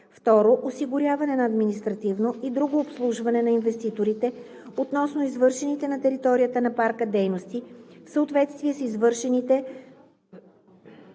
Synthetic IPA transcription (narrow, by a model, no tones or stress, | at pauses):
ft̪ɔɾoʔosiɡʊɾʲjavɐnɛnɐːd̪minist̪ɾɐt̪ivnoʔid̪ɾuɡoːpslˠuʒvɐnɛnɐinvɛst̪it̪oɾit̪ɛ | ot̪nɔsnoizvɤɾʃɛnit̪ɛnɐt̪ɛɾit̪ɔɾijət̪ənɐpaɾkəd̪ɛjnost̪ifsəot̪vɛt̪st̪viɛsizvɤɾʃɛnit̪ɛ